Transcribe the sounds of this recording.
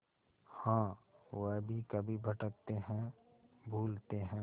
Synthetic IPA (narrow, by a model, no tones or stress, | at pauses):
hãːwəɦbʱikɐbʱibʱɐʈək̚t̪eɦɛ̃ | bʱuːlt̪eɦɛ̃ː